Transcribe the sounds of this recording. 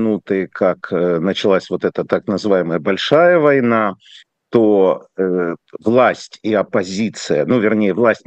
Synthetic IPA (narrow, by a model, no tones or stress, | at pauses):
nut̪ɨkʰaknət͡ɕɪlˠasʲvot̪ɛt̪ət̪aknəzɨvajɪməjəbɐlʲʂajəvɐjna | t̪o | vlˠasʲtʲiɐpɐzʲit̪sɨjənuvʲɪrnʲejəvlˠasʲtʲ